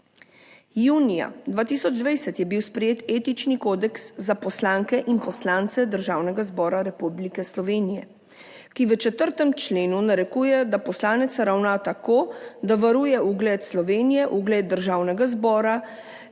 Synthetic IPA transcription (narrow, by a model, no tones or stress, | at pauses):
juːnija̰d̪ʋaːt̪iːsɔd͡ʒd̪ʋɛjsɛt̪jɛbiwspɾɛjeːt̪eːt̪it͡ʃnikoːd̪ɛksːapɔslaːŋkɛʔinpɔslaːnt̪sɛd̪əɾʒaːwnɛɡazbɔːɾaɾɛpublikɛslɔʋeːnijɛ | kiʋət͡ʃɛt̪əɾt̪ɛmt͡ʃleːnunaɾɛkuːjɛd̪apɔslaːnɛt̪saɾawnat̪akoːd̪aʋaɾuːjɛuɡlɛt̪slɔʋeːnijɛʔuɡlɛd̪̚d̪əɾʒaːwnɛɡazbɔːɾa